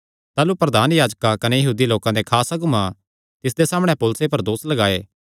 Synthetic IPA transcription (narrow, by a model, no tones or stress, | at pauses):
t̪aːlupɾɐd̪aːnjaːd͡ʒkakɐnejɐɦuːd̪iloːkãd̪ekʰaːsaɡʊmã | t̪ɪs̬d̪esaːməɽ̃ɛ̃poːlʊsepɐɾd̪oːslɐɡaːeː